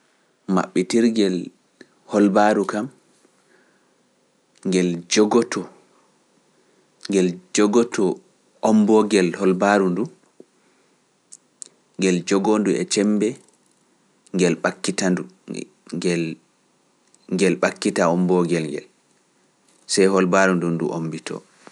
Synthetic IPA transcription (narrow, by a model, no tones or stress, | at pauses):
ma̰ɓːɛtiɾɡɛl | hɔlbaɾukam | ŋɡɛld͡ʒɔɡɔtʰɔ | ŋɡɛld͡ʒɔɡɔtʰɔ | ʔɔmbɔɡɛlhɔlbaɾundu | ŋɡɛld͡ʒɔɡonduɛ̰t͡ʃɛmbɛ | ŋɡɛlɓakːitandu | ɡɛl | ŋɡɛlɓakːitaɔmbɔɡɛlŋɡɛ̰l | sɛjhɔlbaɾundundṵʔo̰mbitʰɔ̰ː